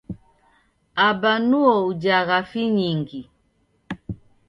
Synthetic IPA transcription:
abanuɔud͡ʒaɣafiɲiŋɡi

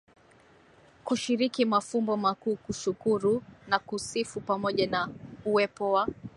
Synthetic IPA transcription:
kuʃiɾikimafumbɔmakuːkuʃukuɾunakusifupamɔʄanauwɛpɔwa

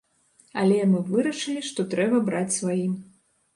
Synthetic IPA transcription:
ɐlʲɛjanɨvɨɾɐʂɨlʲiʂt̪ɔt̪ɾɛbɐbɾat͡sʲsvajim

